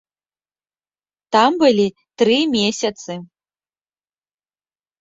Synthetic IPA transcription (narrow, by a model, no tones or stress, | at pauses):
t̪ambɨlʲi | t̪ɾɨmʲesʲɐt̪sɨ